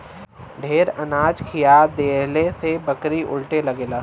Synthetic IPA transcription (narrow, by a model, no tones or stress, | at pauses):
ɖʱeːɾɐnaːd͡ʒkʰijad̪eːlesebɐkɾiʔʊ̰lʈelɐɡeːlaː